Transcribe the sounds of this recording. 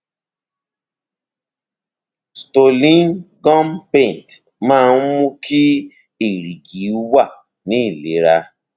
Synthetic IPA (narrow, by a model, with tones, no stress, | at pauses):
sto˨lĩ˦nɡɔ̃˦mpẽ˦˨n˨t | mãː˦u˦mũ˦kʰi˦ | i˦˨ɾi˨ɡi˨˦u˦wa˦˨ | nĩ˦˨le˨˦ɾa˧